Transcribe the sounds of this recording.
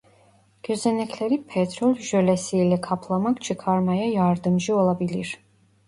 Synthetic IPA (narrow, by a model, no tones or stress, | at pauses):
ɡ̥ɛzɛnɛkʰlɛɾipʰɛt̪ʰɾɔlʒɔlɛsiːlɛkʰapʰlˠamakt͡ʃʰikʰaɾmajajaɾd̪əmʒiɔlˠabiliɾ